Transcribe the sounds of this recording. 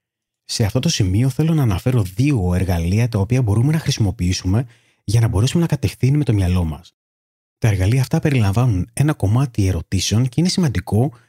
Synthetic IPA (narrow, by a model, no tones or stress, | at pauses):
se̞ɐft̪o̞t̪o̞simio̞θe̞lo̞nɐːnɐfe̞ɾo̞ðio̞e̞ɾɣɐliɐt̪ɐopiɐbo̞ɾume̞nɐxɾisimo̞piisume̞ | ʝɐnɐbo̞ɾe̞sume̞nɐkɐt̪e̞fθinime̞t̪o̞mɲɐlo̞mɐ̰s | t̪ɐe̞ɾɣɐliɐːft̪ɐpe̞ɾilɐɱvɐnune̞nɐko̞mɐt̪ie̞ɾo̞t̪ise̞o̞nce̞ine̞simɐnd̪iko̞